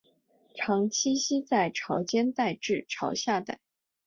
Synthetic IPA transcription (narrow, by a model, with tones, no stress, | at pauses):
ʈ͡ʂʰɑ˧˥ŋt͡ɕʰi˥ɕi˥t͡sa˥˩ɪʈ͡ʂʰɑ˧˥ʊt͡ɕjɛ˥nt̪a˥˧ɪʈ͡ʂɻ̩˥˩ʈ͡ʂʰɑ˧˥ʊɕja˥˧t̪a̰˥˩ɪ